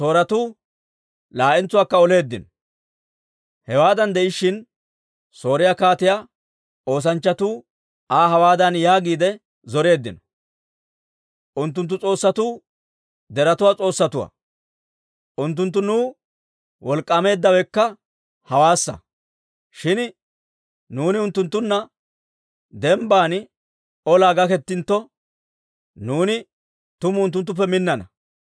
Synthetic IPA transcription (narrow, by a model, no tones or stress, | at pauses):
so̞ːɾɐt̪uː | laːʔɪnt͡sːʊwaːkːɐɔle̞ːd̪ːɪnɔ | hɛwaːd̪ɐnd̪ɛɪʃːɪn | so̞ːɾɪjaːkaːt̪ɪjaː | o̞ːs̬ɐnt͡ʃːɐt̪uː | aːɦɐwaːd̪ɐnjaːɡiːd̪ɛ | zɔɾe̞ːd̪ːɪnɔ | ʔʊnt̪ːʊnt̪ːʊt͡sʼo̞ːsːɐt̪uː | d̪ɛɾɐt̪ʊwat͡sʼo̞ːsːɐt̪ʊwɐ̰ | ʔʊnt̪ːʊnt̪̬ːʊnuː | wɔlkʼːɐme̞ːd̪ːɐwɛkːɐ | hɐwaːsːɐ̰ | ʃɪn | nuːnɪʊnt̪ːʊnt̪ːʊnːɐ | d̪ɛmbaːn | ɔlaːɡɐkɛt̪ːɪnt̪ːɔ | nuːnɪ | t̪ʊmʊʊnt̪̬ːʊnt̪̬ːʊp̬ːɛmɪnːɐnɐ̰